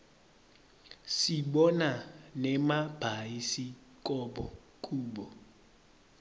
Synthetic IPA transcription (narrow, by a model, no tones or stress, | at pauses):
siɓɔnanɛmab̥ʱaisikʼɔbɔ | kʼuːbɔ